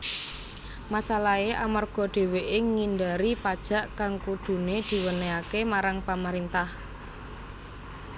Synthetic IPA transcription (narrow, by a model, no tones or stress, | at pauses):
masalaeʔamarɡ̥ɔ̤ɖ̥e̤weʔɪŋŋindaɾipad̥ʒ̥a̤ʔkaŋkud̪̥ṳned̪̥i̤wəneakemaɾaŋpaməɾint̪ah